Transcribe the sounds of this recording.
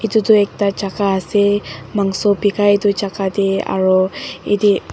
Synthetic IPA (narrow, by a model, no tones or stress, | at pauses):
it̪ut̪uek̚t̪at͡ʃakaɦasemaŋsopikait̪ut͡ʃakat̪ia̰ɾoid̪i